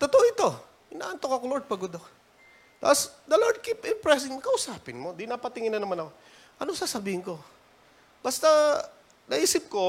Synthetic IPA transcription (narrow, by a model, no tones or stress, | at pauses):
t̪ot̪oʔoʔɪt̪o̞ | ʔɪna̰ːʔɐnt̪okoɐkoloɹd̪̚pɐɡʊd̪o | t̪a̰pːsd̪ɐloɹd̪̚kipɪmpɹɛs̬ɪŋmkɐʔʊsaːpɪnmod̪ɪnaːpɐt̪ɪŋɪnːɐnɐmanɐko | ʔɐnosaːsɐbiːhɪnko̞ | bɐst̪a | nɐʔiːsɪp̚ko̞